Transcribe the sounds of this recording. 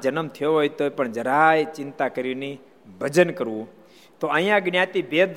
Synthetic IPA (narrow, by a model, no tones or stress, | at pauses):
d͡ʒənəmt̪ʰəjoɦojt̪opəɳd͡ʒəɾajt͡ʃɪnt̪akəɾini | bʱəd͡ʒənkəɾʋũ | t̪oə̃j̃ãɡnjat̪ibed̪